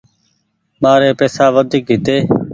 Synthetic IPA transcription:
maːɾeːpeːsaːʋəd̪ʱiːkɦɪt̪eː

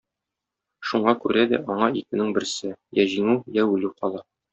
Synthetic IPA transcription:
ʃuɴɑkʉɾæd̪æ̰ʔɒɴɑikɘ̆nɘŋbɘ̆ɾsɘjæʑiŋʉjæʉlʉqɒlˠɑ

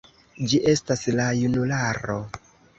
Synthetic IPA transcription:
d͡ʒiʔe̞staslajunulaɾo

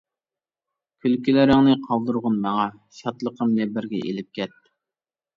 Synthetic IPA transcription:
kʲʰylkʲylɪɾɪŋnɨqʰɑlˠd̪ɨɾʁʊnmɑŋɑ | ʃɑt̪lˠəqʰəmlɛbɪɾɡʲɛ̰ʔḛlɪp̚kʲɛt̪ː

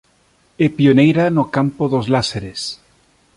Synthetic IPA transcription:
epionejɾanokampoðozlaseɾes

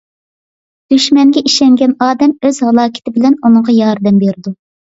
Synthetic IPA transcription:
d̪̥yʃmɛŋɡʲɛʔiʃɛŋɡʲɛnɑːd̪ɛmøzhɑlˠɑːkʲʰɪ̥t̪ʰɪbɪlɛnunɨɴʁɑjɑɾd̪ɛmbeɾɪd̪u

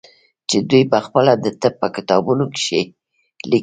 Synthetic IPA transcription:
t͡ʃed̪ujpəxpəlad̪ət̪ɪp̚ːəkɪt̪ɑbunokɪ̥ʃe | li

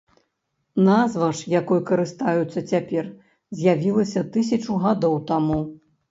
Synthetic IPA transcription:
nazvɐʂjakɔjkɐɾɨst̪ajut̪sːɐt͡sʲapʲɛr | zʲjavʲilˠɐsʲɐt̪ɨs̬ʲɐt͡ʂuɣad̪ɔwt̪amu

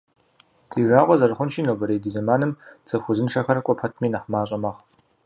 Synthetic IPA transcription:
d̥iːraːʁʷɔzɐrɨχʷʊnʃiːnoːbɐɾeːjdiːzɐmaːnɨmt͡sʼɐxʷʊzɨnʂɐxɐɾɐkʷʼɔpʰɐtʰmiːnɐħmaːɕʼɐmɐʁ

